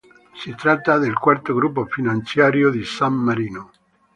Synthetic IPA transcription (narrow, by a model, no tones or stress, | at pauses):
sit̪ɾat̪ːad̪elkwart̪oɡɾupːofinant̪sjaːɾjod̪isamːaɾiːno